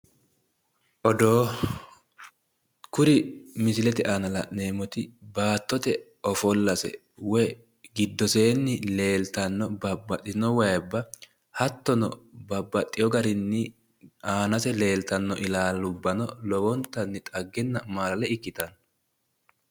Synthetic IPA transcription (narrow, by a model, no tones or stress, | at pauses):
ʔɔd̪o̞ː | kʊɾɪmɪsɪlɛt̪ɛʔaːnɐlɐ̰ne̞ːmɔt̪ɪbaːt̪ːɔt̪ɛ | ɔfɔlːɐsɛ̰ | wɔj | ɡɪd̪ːɔseːnːɪle̞ːlt̪ɐnːɔbɐbːɐt̪ʼːɪnːɔwɐjbːɐ | hɐt̪ːɔnɔ̰bɐbːɐt̪ʼːɪjɔɡɐɾɪnːɪ | ʔaːnɐsɛle̞ːlt̪ɐnːɔʔɪlaːlːʊbːɐnɔlɔwɔnt̪ːɐnːɪt̪ʼɐɡːɛnːɐmaːlɐlɛɪkːɪt̪ɐn